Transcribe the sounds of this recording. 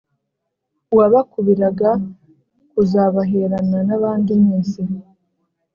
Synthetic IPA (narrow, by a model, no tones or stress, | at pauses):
waβakuβiɾaɡa | kuzaβaɦeɾananaβaːndimiːnsi